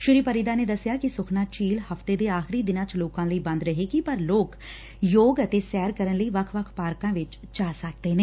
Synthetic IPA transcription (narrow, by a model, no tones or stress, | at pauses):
ʃʊɾiːpəɾiːd̪aːneːd̪əsːɪjaːkɪsʊkʰnãːt͡ʃiːlhəfʰt̪eːd̪eːaːxɪɾiːd̪ɪnãːt͡ʃloːkãːləiːbə̃nd̪ɾəɦeːɡipəɾloːk | joːɡət̪eːsɛːɾkəɾənləiːʋəkʰʋəkʰpaːɾkãːʋɪt͡ʃt͡ʃaːsək̚d̪eːneː